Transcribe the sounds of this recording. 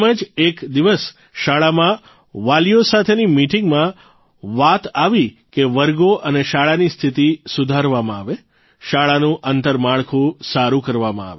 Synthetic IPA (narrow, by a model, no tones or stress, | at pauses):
məd͡ʒekd̪iʋəs | ʃaɭamã | ʋaljosat̪ʰenimiʈiŋɡmã | ʋat̪aʋi | keʋəɾɡoʔəneʃaɭanist̪ʰit̪isʊd̪ʱaɾʋamãaʋe | ʃaɭanũʔənt̪əɾmaɭkʰũsaɾũkəɾʋamãa̰ʋe